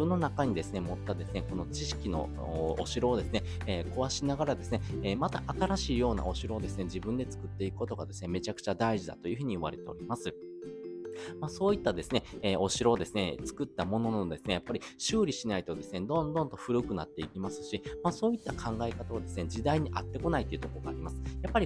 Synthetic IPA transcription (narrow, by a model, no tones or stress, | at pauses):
ɯ̟̃nːo̞nakaɲ̟id̪e̞sɨne̞mo̞t̪ːad̪e̞sɨne̞ko̞no̞t͡ɕiɕi̥kʲino̞̰ | o̰ɕiɾo̞ːd̪e̞sɨne̞ | eːkoβaɕinaɡaɾad̪e̞sɨne̞eːmat̪aʔat̪aɾaɕiːjo̞ːna̰o̞ɕiɾo̞ːd̪e̞sɨne̞d͡ʑibɯ̟̃nd̪e̞t͡sɨ̥kɯ̟t̪ːe̞ikɯ̟̥kot̪o̞ɡad̪e̞sɨne̞me̞t͡ɕakɯ̟̥t͡ɕad̪aiʑid̪a̰t̪o̞jɯ̟ɸɯ̟ɲ̟iɯβa̰ɾe̞t̪e̞o̞̰ɾʲimasɨ | maːso̞ːit̪ːad̪e̞sɨne̞eːʔo̞ɕiɾo̞d̪e̞sɨne̞t͡sɨ̥kɯ̟t̪ːamo̞no̞nood̪e̞sɨne̞japːaɾʲiɕɨːɾʲiɕinait̪od̪e̞sɨne̞d̪õ̞nd̪õ̞nt̪õ̞ɸɯ̟ɾɯ̟kɯ̟nat̪ːe̞ikʲimasɨ̥ɕimaːso̞ːit̪ːakʰãŋɡaekat̪aβad̪e̞sɨned͡ʑid̪aiɲ̟iʔat̪ːe̞ko̞nait̪ojiɯ̟t̪o̞koɡa̰ːɾʲimasɨ̥japːaɾʲi